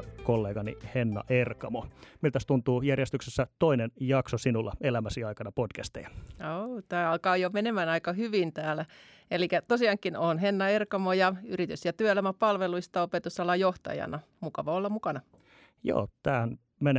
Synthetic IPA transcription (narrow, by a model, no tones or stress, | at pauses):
kolːeːɡɑnḭhenːɑ̰ʔerkɑmomilt̪æst̪unt̪uːjærjest̪yksesːæt̪oinenjɑksosinulːɑ̰elæmæsiɑikɑnɑpod̥kæst̪ḛjɑot̪æːɑlkɑːjomenemænɑikɑhyʋint̪æːlæ | elikæt̪osiɑŋkːinonɦenːɑerkɑmojɑyrit̪ysjɑt̪yøelæmæpɑlʋeluist̪ɑopet̪usɑlːɑjoht̪ɑ̰jɑ̰nɑ | mukɑʋɑolːɑmukɑnɑ | jo̰ːt̪æːhæn | mene